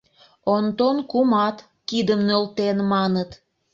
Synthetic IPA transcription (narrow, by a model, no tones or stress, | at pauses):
ont̪onkumɑt̪ | kid̪əmnølt̪enmɑnət̪